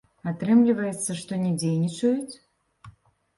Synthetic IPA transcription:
at̪ɾɨmlʲivɐjɛt̪sːɐʂt̪ɔnʲɛd͡zʲejnʲit͡ʂɐjut͡sʲ

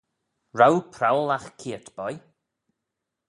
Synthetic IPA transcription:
ɹawpʰɾawlaxkʰiːətb̥ɔj

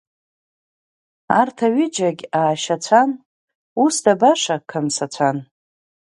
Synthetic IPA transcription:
artʰaɥid͡ʒaɡʲaːʃat͡ɕʷʰan | usdabaʂakʰamsat͡ɕʷʰan

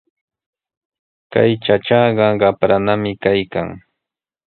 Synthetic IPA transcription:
ka̰jt͡ʃaʈ͡ʂɑɢɑɢɑpɾanamɪkajka̰ŋ

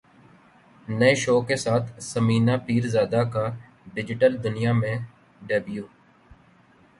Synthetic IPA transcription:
nəeʃoːkesaːt̪ʰsəmiːnaːpiːɾzaːd̪aːka | ɖɪd͡ʒɪʈəld̪ʊnijaːmẽː | ɖeːbjuː

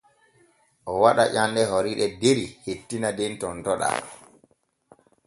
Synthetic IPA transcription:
ʔɔwaɗaʔanːdɛɦoɾiɗɛdeɾihetːinadɛntɔntɔɗa̰

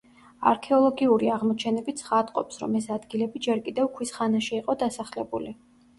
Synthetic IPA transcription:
a̰ɾkʰɛɔlˠɔɡiuɾiaʁmɔt͡ʃʰɛnɛbit̪sʰχad̪qʼɔpsɾɔ̰mɛsad̪ɡilɛbid͡ʒɛɾkʼid̪ɛvkʰwisχanaʃiːqʼɔd̪asaχlɛbuli

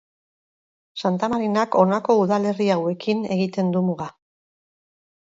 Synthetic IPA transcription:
sant̪amaɾinako̞nako̞uðale̞riawe̞kʰine̞ɣit̪e̞nd̪umuɣa

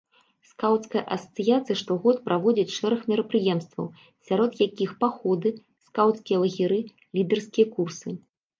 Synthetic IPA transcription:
skawt̪skɐjɐʔɐsɐt̪sɨjat̪sɨjɐʂt̪ɔɣɔt̪pɾʔavɔd͡zʲit͡sʲʂɛɾɐxmʲɛɾɐpɾɨjɛmst̪vɐ̰w | sʲaɾɔt̪jakʲixpaxɔd̪ɨ | skawt̪skʲijɐlˠɐɣʲiɾɨ | lʲid̪ɛrskʲijɐkursɨ

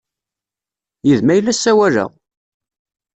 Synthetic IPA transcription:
jiðmæjlːæsːæwælə̰ʁ

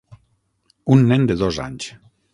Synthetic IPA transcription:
unːɛnd̪eðoza̰ɲs

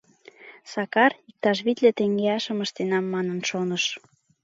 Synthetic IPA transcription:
sɑkɑrik̚t̪ɑʃ̬βit̪let̪eŋɡeɑʃə̆məʃt̪enɑmːɑnənʃonəʃ

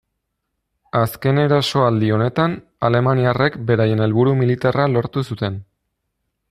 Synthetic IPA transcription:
aske̞ne̞ɾaso̞ald̪io̞ne̞t̪an | ale̞maniare̞kbe̞ɾaje̞ne̞lβuɾumilit̪aralo̞ɾt̪usut̪e̞n

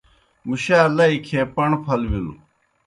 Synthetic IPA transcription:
muɕaːlɐikʰeːpɐɳpʰɐlwilu

